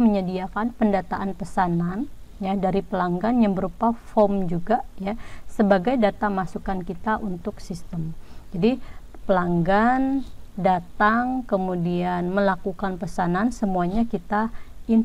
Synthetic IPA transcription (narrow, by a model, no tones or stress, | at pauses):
məɲədiakanpəndat̪aʔanpəsananjadaɾipəlaŋɡanjaŋbəɾupafɔmd͡ʒuɡajasəbaɡajdat̪amasukankit̪aʔunt̪ʊksist̪əmd͡ʒadipəlaŋɡandat̪aŋkəmudianməlakukanpəsanansəmuaɲakit̪ain